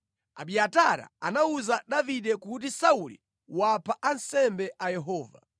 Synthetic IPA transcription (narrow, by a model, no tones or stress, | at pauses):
a̰ɓiataɾa̰anauzaɗaviɗɛkut̬isaulḭ | wapʰaʔansɛmbɛʔajɛɦɔːva̰